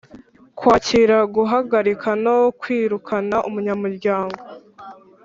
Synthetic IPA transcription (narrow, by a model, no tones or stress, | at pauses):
kwaːciɾaɡuɦaɡaɾikʰanokwiːɾukʰanaʔumuɲamuɾɟaːŋɡo̞